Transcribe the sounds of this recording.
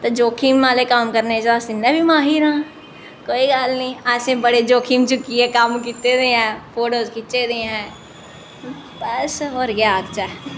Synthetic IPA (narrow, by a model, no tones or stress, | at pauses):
t̪od͡ʒoːkʰiːmʋaːlekaːmkəɾnet͡ʃaːsɪnːebʱimaːɦiːɾãː | koːiɡaːlnĩːasẽːbəɽed͡ʒoːkʰiːmt͡ʃʊkiɛ̃ːkamkit̪ed̪eːɦɛ̃ːpoːɽoːzkɪt͡ʃed̪ẽɦɛ̃ː | bəsɔːɾɡjaːkt͡ʃa